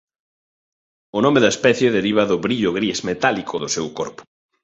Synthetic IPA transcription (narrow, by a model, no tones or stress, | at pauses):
ʊnɔmeðɐespɛθjeðeɾiβ̞ɐðʊβɾiʎʊɣɾizmet̪alikʰʊðʊsewkɔɾpʊ̥